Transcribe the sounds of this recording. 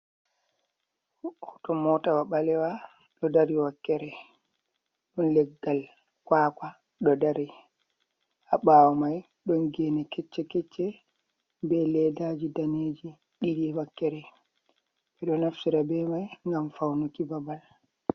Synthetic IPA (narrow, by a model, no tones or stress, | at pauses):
hɔtɔmɔtawaɓalɛwa | ɗɔdaɾiwakːɛɾɛ | ɗɔnlɛɡːal | kwaːkwa | ɗɔdaɾi | ʔaɓawɔmaj | ɗɔnɡɛnɛkɛt͡ʃːɛkɛt͡ʃːɛ | bɛlɛdad͡ʒidaneːd͡ʒi | ɗiɗiwakːɛɾɛ | ɓɛɗɔnaftiɾabɛmajŋɡamfawnukibabal